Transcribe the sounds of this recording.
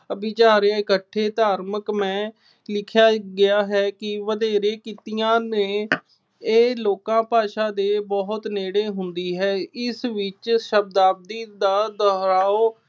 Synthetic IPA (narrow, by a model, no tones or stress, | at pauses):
əbit͡ʃaːɾjaːɪkəʈʰːeːd̪aːɾməkmɛ̃ː | lɪkʰjaːɡɪaːɦɛːkɪʋəd̪eːɾẽːkit̪ijãːneː | eːloːkãːpaːʃaːd̪eːbɔɦʊt̪neːɽeːɦʊnd̪iːɦɛːɪsʋɪt͡ʃʃəb̚d̪aːb̚d̪iːd̪aːd̪ɔːɾaːoː